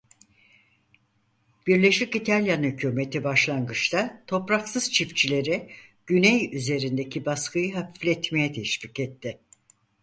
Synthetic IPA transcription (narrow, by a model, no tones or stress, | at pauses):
b̥iɾlʲeʃlʲicit̪ʰalʲjanhycʰyːme̞t̪ʰibaʃlˠanɡɯt͡ʃt̪at̪ʰo̞pɾaksɯz̥t͡ʃʰift͡ʃʰilʲe̞ɾiɟ̥ynejyze̞ɾind̪ecʰibaskɯjɯɦafiflʲɛt̪me̞jɛt̪ʰɛʃpiːcɛt̪ʰːɪ